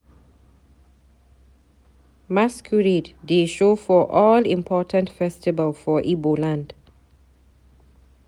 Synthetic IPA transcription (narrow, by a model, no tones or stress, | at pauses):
maskʰuɹiddeʃoːfɔʔɔːlḭ̃mpʰɔːtʰə̃ntfɛstɪvəlfɔʔiːbolãnd